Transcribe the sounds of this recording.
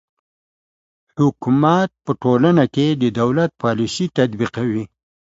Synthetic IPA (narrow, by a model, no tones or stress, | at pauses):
hʊkumat̪̚pəʈolanaked̪əd̪awlat̪̚pɑlisit̪ad̪biqawi